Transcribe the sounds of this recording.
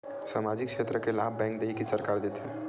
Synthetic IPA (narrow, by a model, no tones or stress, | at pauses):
saːmaːd͡ʒɪkʃeːt̪ɾəkelaːbbɛ̃ːŋk̚d̪eɦikisɐɾkaːɾd̪et̪ɦɛ̃